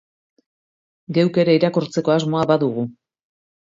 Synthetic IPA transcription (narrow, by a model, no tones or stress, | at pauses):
ɡe̞wke̞ɾeiɾakuɾt͡se̞ko̞azmo̞aβaðuɣu